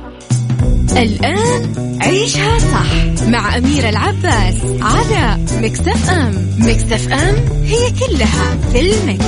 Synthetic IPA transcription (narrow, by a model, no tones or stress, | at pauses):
ʔɪlʔaːn | ʕiːʃhasˤɑħmaʕʔamiːɾɪlʕabːaːs | ʕala | mɪkt̪afʔam | mɪkt̪afʔamhɪjːakʊlːha | fɪlmɪk